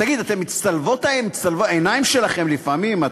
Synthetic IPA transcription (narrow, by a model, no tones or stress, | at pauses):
aɡid̪at̪e̞mːitt͡st̪alvo̞t̪amist̪alvoaenaimʃe̞laχe̞mlifamima